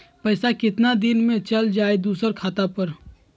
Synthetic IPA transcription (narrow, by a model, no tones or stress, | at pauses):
pəɪsakɪt̪nad̪ɪnmẽt͡ʃəld͡ʒaːed̪uːsəɾkʰaːt̪apəɾ